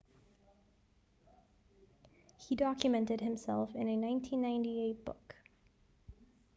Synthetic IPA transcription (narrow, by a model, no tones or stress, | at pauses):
hidɑkjɨmɛ̃ntɨd̚ɨ̃msɛ̰lˠfɨ̃nɨnãɪ̃ntʰĩnːãɪ̃ntieɪt̚b̥ʊ̰k